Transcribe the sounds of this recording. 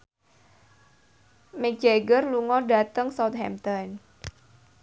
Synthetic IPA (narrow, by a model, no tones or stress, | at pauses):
mek̚d͡ʒeɡərluŋɔɖa̤t̪əŋsɔt̪̚hɛ̰mt̪ɔn